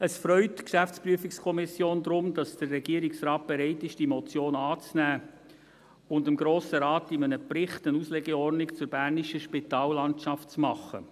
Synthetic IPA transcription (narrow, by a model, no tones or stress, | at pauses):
əsfrœʏtkʃæft͡spryəfɪkskʰɔmɪsjoːnd̪ɾʊmd̥ɑsd̥ərːɛɡ̥iːəɾɪksrɑːt̚b̥ɛɾɛɪtɪʃd̥imɔt͡sjoːnɑːt͡snæː | ʊndɪmɡɾoːsəɾɑːtɪmənəprɪχtənuslɛɡɛɔrnɪkt͡sʊɾb̥æːrniʃəʃpitɑːlːɑntʃɑftt͡smɑχə̰